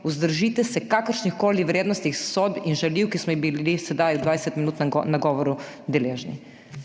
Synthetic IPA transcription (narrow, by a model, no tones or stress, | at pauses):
uzd̪əɾʒiːt̪ɛsɛkakəɾʃnixkoːliʋɾeːd̪nɔst̪ixsobinʒaliwkismɔibilisɛd̪ajɔd̪ʋaːjsɛt̪minuːt̪nnaɡɔʋɔɾud̪ɛleːʒnḭ